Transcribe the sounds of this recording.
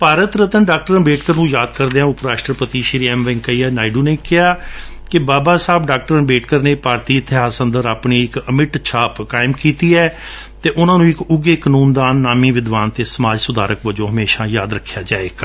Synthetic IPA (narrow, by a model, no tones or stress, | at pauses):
paːɾət̪ɾət̪ənɖaːk̚ʈəɾənbeːʈkəɾnũːjaːd̪kəɾd̪eːãːʊpɾaːʃʈɾəpət̪iːʃɪɾiːɛːmʋɪ̃ŋkəiːɛːnaːɪɖuːneːkɪɦaː | kɪbaːbaːsaːbɖaːk̚ʈəɾənbeːʈkəɾneːpaːɾt̪iːət̪ʰːɪɦaːsənd̪əɾaːpɳiːɪkəmɪʈt͡ʃʰaːpkaːɪmkiːt̪iːɛː | t̪eːʔʊnãːnũːɪkʊɡeːkənuːnd̪aːnːaːmiːʋɪd̪ʋaːnt̪eːsəmaːd͡ʒsʊd̪aːɾəkʋəd͡ʒõːɦəmeːʃãːjaːd̪ɾəkʰːjaːd͡ʒaːeːɡaː